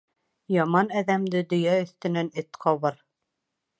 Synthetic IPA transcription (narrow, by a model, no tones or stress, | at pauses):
jɑmɑnæðæmd̪ɘd̪ɵ̆jæɵ̆θt̪ɘ̆nænɘt̪qʰɑβɤɾ